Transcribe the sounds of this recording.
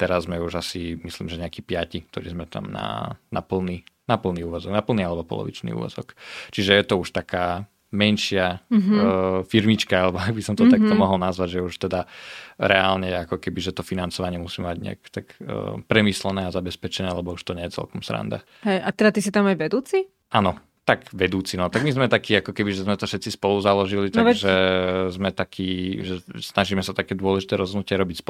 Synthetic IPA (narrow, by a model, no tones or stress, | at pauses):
t̪ɛɾazːmɛuʒasimislḭːmʒɛɲɛakiːpɪacik̚t̪ɔɾiːzmɛt̪a̰mna̰na̰pl̩ninapl̩niuːʋɔzɔɡnapl̩ˠnialɛbɔpɔ̰lɔ̰ʋḭt͡ʃnḭṵːʋɔ̰zɔ̰kt͡ʃiʒɛjɛt̪ɔuʃt̪akaː | mɛnʃɪa | fiɾmit͡ʃkaalɛbɔaɡbisɔmt̪ɔt̪ak̚t̪ɔmɔɦɔlnazʋaɟʒɛuʃt̪ɛd̪aɾɛalɲɛakɔkɛbiʒɛt̪ɔfinant͡sɔʋaɲɪɛmusiːmaɟɲɛ̰a̰kt̪akːpɾɛmiːslɛnɛːazabɛspɛt͡ʃɛnɛːalɛbɔuʃt̪ɔɲɛjɛt͡sɛ̰lkɔmsɾa̰nd̪a̰ | ɦɛjat̪ɛd̪at̪isit̪amajʋɛd̪uːt͡si | ʔanɔ | t̪aɡʋɛd̪uːt͡sinɔt̪aɡmizmɛt̪akiːakɔkɛbiʒɛzmɛt̪ɔfʃɛt̪t͡sispɔluzalɔʒilit̪aʒɛzmɛt̪akʰiːʒɛsnaʒiːmɛsat̪akɛːd̪ʊɔlɛʒit̪ɛːɾɔzɦɔdnucɪɛɾɔbicsp